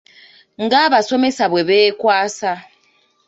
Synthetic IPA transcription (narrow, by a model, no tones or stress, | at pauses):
ŋ̩ɡaβasomɛsaβwɛβeːkwaːsa